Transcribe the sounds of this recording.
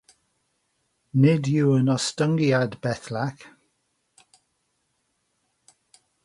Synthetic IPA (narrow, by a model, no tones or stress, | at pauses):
nɪdjuwənɔstəŋɡiadbɛθlak